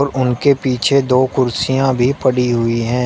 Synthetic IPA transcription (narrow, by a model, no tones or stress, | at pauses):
ɾʊnkepiːt͡ʃʰed̪oːkʊɾsijãbʱipɐɽiɦʊiɦɛ̃ː